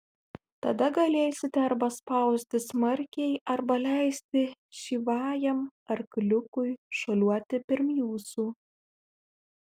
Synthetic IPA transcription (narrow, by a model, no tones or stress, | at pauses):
t̪ɐd̪ɐɡɐlʲeːsʲɪt̪ʲɛɐɾbɐspɐˑʊsʲt̪ʲɪsmɐɾʲkʲɛɪʔɐɾbɐlʲæɪsʲt̪ʲɪʃʲiːʋɑːjɛmɐɾklʲʊkʊɪʃoːlʲuɔt̪ʲɪpʲɪɾmjuːsuː